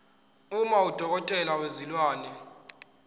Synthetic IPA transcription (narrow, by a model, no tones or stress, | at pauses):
umaud̥ʱɔk̬ɔtʼɛlawezilwaːnɛ